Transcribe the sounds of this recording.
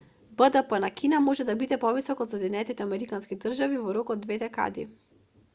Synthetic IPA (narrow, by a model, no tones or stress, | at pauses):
bəd̪əpənakʰinamɔʒɛd̪abid̪ɛpɔvisɔkɔt̪sɔd̪inɛt̪it̪ɛamɛɾikanskid̪r̩ʒavivɔɾɔkɔd̪ːvɛd̪ɛka̰d̪ḭ